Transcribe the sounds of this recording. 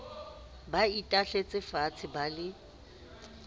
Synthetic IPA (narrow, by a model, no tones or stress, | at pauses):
baitʼaɬet͡sʼɪfat͡sʰɪbalɪ